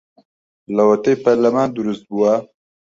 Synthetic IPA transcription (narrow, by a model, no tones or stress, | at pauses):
lawɐt̪ejpaɾlɐmaːnd̪uɾust̪̚buwa